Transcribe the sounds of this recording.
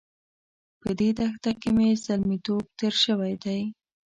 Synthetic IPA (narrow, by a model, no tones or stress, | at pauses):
pəd̪ed̪axt̪akemezalmit̪ob̚t̪eɾʃəwajd̪aj